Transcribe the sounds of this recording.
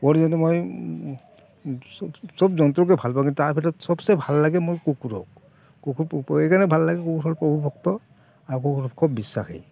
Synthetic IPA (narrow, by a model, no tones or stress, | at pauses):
pɔɹzanɛmoj | sɔbzɔnt̪ɹɔkɛbʱalpakitaɹpʰɛtɔtsɔbsɛbʱalːaɡɛmojkukuɹɔ̰k | kukuɹejkanɛbʱalːaɡɛkukuɹɦɔlpɹɔbʱubʱɔkt̪ɔ | aɹukukuɹɔpkʰɔbːisːa̰xḛj